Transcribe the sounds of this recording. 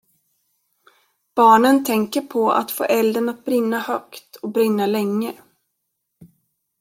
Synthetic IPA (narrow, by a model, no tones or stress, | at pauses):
b̥ɑːɳənt̪ʰɛŋkəɾpʰɔa̰t̪fo̰ːʔɛld̪əɳat̪̚bɾɪnːahœkt̪ɔbɾɪnːalɛŋːə